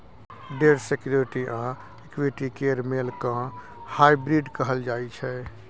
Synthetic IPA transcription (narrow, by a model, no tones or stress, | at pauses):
ɖeːɾsekjoːɾɪʈiʔãː | ekwiʈikeːɾmeːlkã | haːibɾiːɖkəɦəld͡ʒaːit͡ʃʰɛː